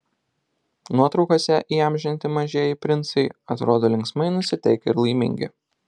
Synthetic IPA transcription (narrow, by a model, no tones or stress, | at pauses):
nuɔt̪ɾɒʊkosʲɛʔiːɑmʲʒʲɪnʲt̪ʲɪmɐʒʲeːjɪpʲɾʲɪnt̪sɐɪɐt̪ɾoːd̪oːlʲɪŋksmɐɪnʊsʲɪt̪ʲɛɪkʲɛɪɾlˠɐɪmʲɪ̰̃ŋʲɡʲɪ̰